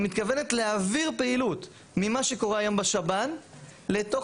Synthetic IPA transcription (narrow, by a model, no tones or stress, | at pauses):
mit̪kavene̞tleaviʁpeilut | mimaʃe̞ko̞ʁeajo̞mbaʃabanle̞to̞